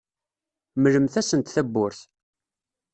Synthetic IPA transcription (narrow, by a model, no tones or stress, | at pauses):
mələmθæsənt̪θæbːʊɾθ